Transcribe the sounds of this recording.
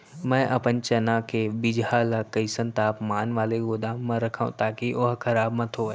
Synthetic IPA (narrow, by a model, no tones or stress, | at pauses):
mɛ̃ːʔɐpənt͡ʃɐnãkʰebɪd͡ʒalakɐisə̃nt̪aːpmaːnʋaːleɡoːd̪ãːə̃ɾɐkʰaːṵ̃t̪aːkiʔoɦkʰɐɾaːbmɐ̃t̪ʰo